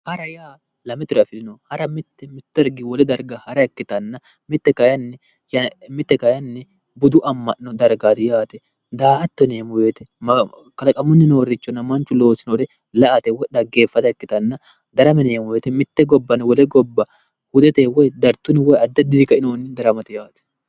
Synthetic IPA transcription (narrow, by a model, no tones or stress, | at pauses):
hɐɾɐjaː | lɐmɛt̪ʊɾɐfɪlɪnoːhɐɾɐmɪt̪ːɛmɪt̪ːɛɾɡɪwɔlɛd̪ɐɾɡɐhɐɾɐɛkːɪt̪ɐnːɐ | mɪt̪ːɛkɐjɐnːɛ | jɐmɪt̪ːɛkɐjɐnːɛ | bʊd̪ʊʔɐmːɐʔːɔd̪ɐɾɡaːd̪ɪjaːt̪ɛ | d̪aːhɐt̪ːɔneːmʊweːt̪ɛmɐ | kɐlɐkʼɐmʊnːɪno̞ːɾɪt͡ʃːɔnːɐmɐnt͡ʃːʊlo̞ːsɪnod̪ɛ | lɐʔɐt̪ewɔᶑɐɡe̞ːfːɐt̪ɐɛkːɪt̪ɐnːɐ | d̪ɐɾɐmɛneːmʊweːt̪ɛmɪt̪ːɛɡɔbːɐnɪwɔlɛɡɔbːɐ | hʊd̪ɛt̪eːwɔjd̪ɐɾt̪ːʊnɪwɔjɐd̪ːɐd̪ɪd̪ɪkɐɪnoːnːɪd̪ɐɾɐmɐt̪ɛjaːt̪ɛ̥